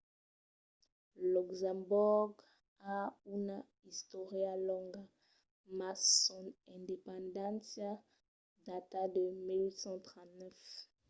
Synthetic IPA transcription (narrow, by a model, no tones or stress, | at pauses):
lukzãmbɔɡ | auna | ist̪ɔʁjalɔ̃ŋɡa | masɔnɛ̃ndepɑ̃ndãnsja | datadəmilwitsɑ̃tʁɑ̃tnɛf